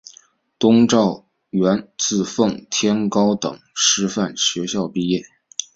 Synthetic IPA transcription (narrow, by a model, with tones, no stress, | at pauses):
t̪ʊ˥ŋʈ͡ʂɑ˥˩ʊ | ɥɛ˧˥nt͡sɹ̩˥˧fɤ˥˩ŋt̪ʰjɛ˥nkɑ˥ʊt̪ɤ̰˨˩ŋʂɻ̩˥fa˥˩nɕɥɛ˧˥ɕjɑ˥˧ʊpi˥˧jɛ˥˩